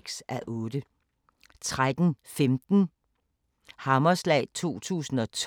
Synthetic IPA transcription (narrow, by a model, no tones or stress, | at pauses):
ɡ̥sʔæʔɔ̽ːd̥ə | t͡sʰʁad̥n̩femd̥n̩ | hɑ̈mɐslɛ̰ɪt͡sʰo̝̰ːt͡sʰṵːsn̩ɒ̽t͡sʰ